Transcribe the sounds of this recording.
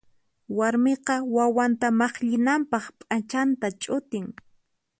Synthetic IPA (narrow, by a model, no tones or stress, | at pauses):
waɾmɪqɑwawant̪amɑχʎɪnampɑχpʼat͡ʃant̪at͡ʃʼʊt̪ɪŋ